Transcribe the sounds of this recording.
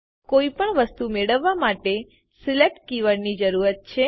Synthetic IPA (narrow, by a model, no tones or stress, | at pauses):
koipəɳʋəst̪umeɭəʋːamaʈe | silek̚ʈkiʋəɽnid͡ʒəɾuɾət̪̚t͡ʃʰe